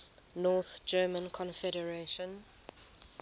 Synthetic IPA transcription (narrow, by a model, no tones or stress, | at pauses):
nɔːθd͡ʒɜːmə̃nkʰɔ̃nfɛɾəɹeʃə̃n